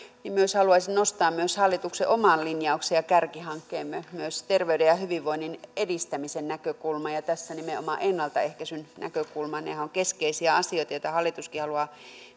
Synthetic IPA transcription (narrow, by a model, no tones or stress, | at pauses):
nimmyøshɑluɑisinnost̪ɑːmmyøshɑlːˑit̪uksḛʔomɑnlinjɑuksejjɑkærkihɑŋkːeːmmyømyøst̪erʋeydejɑhyʋiʋʋoinːinedist̪æmisennækøkulmɑjɑt̪æsːænimeo̰mɑʔenːɑlt̪ɑehkæsynnæ̰køkulmɑnḛhæoŋkeskeisiæɑsioit̪ɑjoˑĭt̪ɑhɑlːˑit̪uskihɑluɑˑ